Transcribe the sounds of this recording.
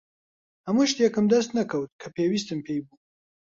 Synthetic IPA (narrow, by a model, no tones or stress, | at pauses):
hɐmuʃt̪jɛkɨmd̪ɐst̪nɐkʰɐwt̪̚kʰɐpʰeːwiːst̪ɨmpʰejbu